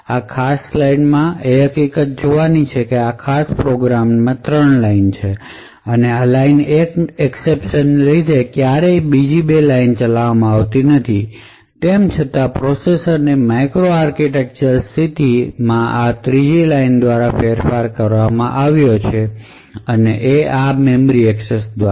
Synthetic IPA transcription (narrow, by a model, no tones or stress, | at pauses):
akʰasːlajnmãeɦəkikət̪̚d͡ʒoʋanit͡ʃʰekeakʰaspɾoɡɾammãt̪ɾəɳlaint͡ʃʰe | ənealainekɛksepʃənlid̪ʱekjaɾebid͡ʒibelaint͡ʃəlaʋamãaʋt̪inət̪ʰi | t̪emt͡ʃʰət̪apɾosesəɾnemajkɾoaɾkiʈek̚t͡ʃəɾsʰit̪imãʔat̪ɾid͡ʒilaind̪ʋaɾafeɾfaɾkəɾʋamã̰ʔaʋjot͡ʃʰe | əneʔeamemɾiɛksesd̪ʋa